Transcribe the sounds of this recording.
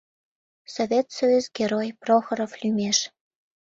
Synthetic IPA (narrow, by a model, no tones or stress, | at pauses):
sovʲet̪sojuzɡʲeɾojproxɤɾoflʲymeʃ